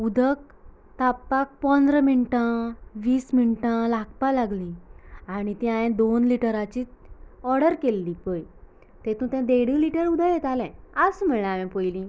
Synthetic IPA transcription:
ud̪ʱək̚ | t̪apːak̚pɔ̃nd̪ɾəminʈãʋiːsmiɳʈãlak̚ʰpalaɡlĩaɽ̃it̪ĩãjẽd̪onliʈəɾat͡ɕiːt̪ɔɾɽəɾkelːipəj | t̪ẽt̪ũt̪ɛ̃d̪eɽiliʈəɾud̪ʱəjet̪alɛ̃asmiɭɳaʋɛ̃pojlĩ

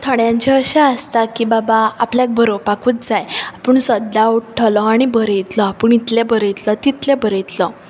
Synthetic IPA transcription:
t̪ʰəɽjãɲt͡ɕeəɕaəst̪akiːbabaapljak̚bʱəɾopakuːt̪̚d͡zajapəɳsəd̪ːauʈʈʰəlɔaɽ̃ibəɾet̪lɔapuəɳit̪lebəɾeit̪lət̪it̪lebəɾejt̪lə

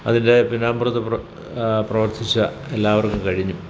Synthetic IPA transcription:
ɐ̰ðinde̞pinaːmburɐt̪ːɐp | prɐʋɐrt̪ʰit͡ɕːɐ | elːaːʋɐrkːumkɐɻiɲːu

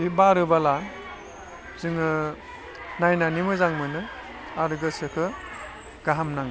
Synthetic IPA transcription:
ibaɾɯbala | zɯŋɯ | najnanimɯzaŋmɯnɯ | aɾɡɯsɯkʰɯ | ɡ̥aɦamnaŋ

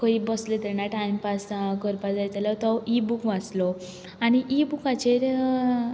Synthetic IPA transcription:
kəibəslet̪ɛɾɳaʈaimpaskəɾpad͡zajt̪alat̪ɔibukʋat͡slɔ | añiʔibukat͡ɕeɾ

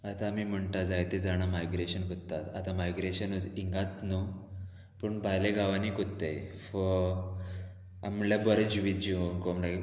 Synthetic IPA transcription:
at̪aːmiːm̤əɳʈad͡zajt̪ed͡zaɽ̃amajɡɾeɕənkot̪ːat̪at̪amajɡɾeɕənəd͡ziŋɡat̪nuo | pəɳbʱajleɡaʋanikot̪ːejfə | a̰mljabɔɾed͡ʑʋid͡ʑukɔmlai

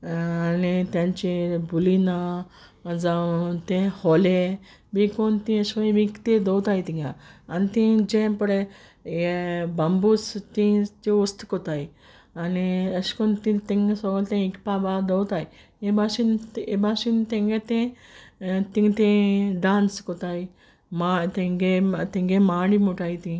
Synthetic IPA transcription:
anit̪jãɲt͡ɕebulina | d͡zat̪ẽhole | bĩkɔnt̪ĩəskɔĩmĩkt̪ed̪əwt̪ajit̪ĩŋɡaanit̪ĩd͡ʑẽpəɽe | bambust̪ĩt͡ɕeost̪kɔt̪aj | ɐniɐskont̪ĩt̪iŋsoɡolt̪ẽikpaːbad̪owt̪aːj | ebasinebaːsint̪eŋɡet̪ẽ | t̪iŋɡt̪ẽɖaːnskot̪aːi | mat̪eŋɡet̪eŋɡemaːɽimuʈaːjt̪ĩ

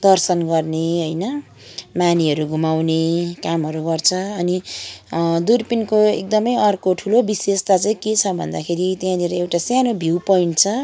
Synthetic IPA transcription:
d̪ʌrsʌnɡʌrneɦʌjnʌ | maniɦʌɾuɡʱumawnekamɦʌɾuɡʌrt͡sʰʌːni | d̪urpinkoḛk̚d̪ʌmʌjʌrkoʈʰulobisest̪at͡saĩket͡sʰʌbʱʌ̰nd̪akʰeɾit̪jãleɾʌewʈasjanobʱiwpoiɳʈt͡sʰʌ

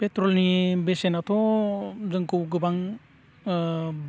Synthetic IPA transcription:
petɾɔlnibesenatʰɔ | zɯŋkɯwɡɯbaŋ

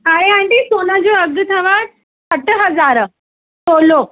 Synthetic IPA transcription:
aɾeaɳʈ̪isonad͡ʑoəɡət̪ʰaʋaɾ̚ | səʈəɦəd͡zaɾə | solo

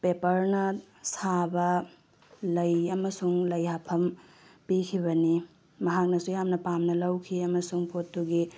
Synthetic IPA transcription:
pepɐɾnɐ | sabɐ | lɐjɐmɐsuŋlɐjɦapʰɐm | pikʰibɐni | mɐɦak̚nɐsujamnɐpamnɐlɐwkʰiɐmɐsuŋpʰotːuɡi

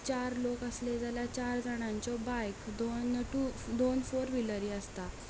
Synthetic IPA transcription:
t͡ɕaɾlokəsled͡zʱaljat͡ɕaɾd͡zʱaɽ̃aɲt͡sɔbajkd̪onʈud̪onfoɾʋiləɾiːəst̪a

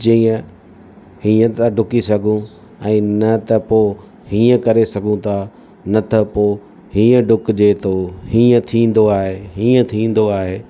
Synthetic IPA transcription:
d͡ʒiːə̃ | hiːə̃t̪aɖʱʊkisɐɡʱũ | ɛ̃ːnɐt̪ɐpoː | hĩːə̃kɐɾesɐɡʱũt̪ʰaː | nɐt̪ʰɐpoː | hĩːə̃ɖʱʊkd͡ʑeːt̪ʰohiːə̃t̪ʰĩːn̆d̪oaːɦeːɦĩːə̃t̪ʰĩːn̆d̪oaːɦeː

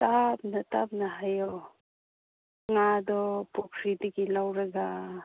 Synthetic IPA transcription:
tap̚natap̚naɦajɔ | ŋad̪ɔpɔkʰɾidiɡilawɾaɡa

